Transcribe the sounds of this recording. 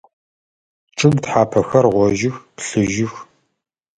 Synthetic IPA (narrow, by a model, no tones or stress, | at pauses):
ʈ͡ʂʼɨmtħaːpʰɐxɐrʁʷɔʒɪxpɬɨʒɪx